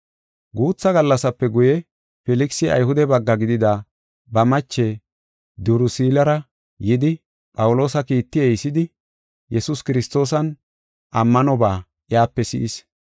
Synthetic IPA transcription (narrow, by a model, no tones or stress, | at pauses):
ɡuːt͡sːɐɡɐlːɐsɐpːɛɡʊjɛ | fɛlɪksɪɐ̰jɦʊd̪ɛbɐɡːɐɡɪd̪ɪd̪aː | bɐmɐt͡ʃːɛ | d̪ʊɾʊsiːlɐɾɐ | jɪd̪ɪ | pʼɐwʊlo̞ːsɐkiːt̪ːɪɛjsɪd̪ɪ | jɛsʊskɪɾɪst̪o̞ːs̬ɐn | ʔɐmːɐnɔbaː | ʔjaːpːɛsɪ̰ʔɪs